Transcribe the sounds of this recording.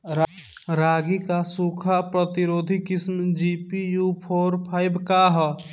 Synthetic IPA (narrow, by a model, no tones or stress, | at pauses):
ɾ | ɾaːɡikasukʰapɾət̪iɾoːd̪ʱikismd͡ʒipijupʰoːɾpʰaɪbʱkaɦ